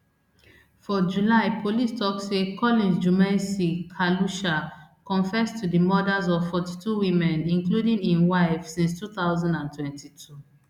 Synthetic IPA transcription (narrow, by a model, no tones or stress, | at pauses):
fɔd͡ʒulaɪpʰolistʰɔksekʰɔlĩnd͡ʒumɛ̃nsikʰaluʃakɔ̃nfɛstʰudimɔdazɔv̥fɔti̥tʰuwĩmɛ̃nĩŋkludĩŋĩnwaɪv̥sĩnstʰuθaʊzãndãntʰwɛ̃ntitʰu